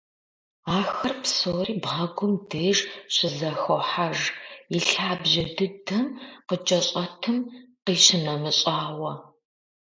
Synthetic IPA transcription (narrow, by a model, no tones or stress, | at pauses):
aːxɐrpsoːriːbʁɐɡʷʊmdeːʒɕɪzɐxoħaʒiɬɬaːbʑɐdɨdɐmqət͡ʃʼɐɕʼɐtʰɨmqiːɕɪnɐmɨɕʼaːwɐ